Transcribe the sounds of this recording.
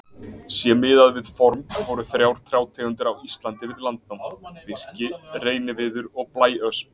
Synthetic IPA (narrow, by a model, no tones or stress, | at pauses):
sjɛmɪːðaðvɪðfɔɾmvɔɾʏθɾjawɾ̥t̪ʰɾjaːwt̪ʰɛːɣʏnt̪̬ʏɾawist̪lant̪ɪvɪðlant̪nawmpɪr̥cɪreːjnɪvɪðʏɾɔɣplaːjœsp